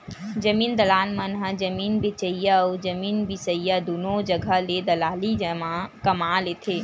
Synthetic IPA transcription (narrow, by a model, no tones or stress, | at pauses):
d͡ʒəmiːnd̪əlaːnmənɦəd͡ʒəmiːnbit͡ʃəjawd͡ʒəmiːnbisəjəd̪unod͡ʒəɡʱəled̪əlaːlid͡ʒmakəmalet̪ʰe